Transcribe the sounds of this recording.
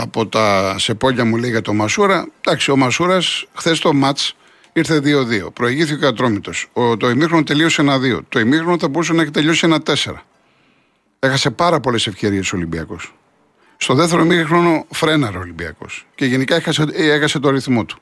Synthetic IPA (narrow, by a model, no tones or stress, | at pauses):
ɐpo̞t̪ɐse̞po̞ʎɐmulejɣɐt̪o̞mɐsuɾɐd̪ɐksio̞mɐsuɾɐsxθe̞st̪o̞mɐt͡s | iɾθe̞ðio̞ðio̞̰pɾo̞eʝiθioɐt̪ɾo̞mit̪o̞sot̪oimixɾonot̪e̞lio̞senɐðio̞̰t̪oimixɾonoθɐbo̞ɾusenɐeçt̪eʎo̞sienɐt̪e̞se̞̰ɾɐ̰ | e̞xɐse̞pɐɾɐpo̞le̞se̞fce̞ɾie̞soolimbiɐ̰ko̞̰s | st̪o̞ðeft̪eɾoimixɾono̞fɾe̞nɐɾeolimbiɐ̰ko̞̰sce̞ʝenikɐexɐseexɐse̞t̪oɐɾiθmo̞t̪u̥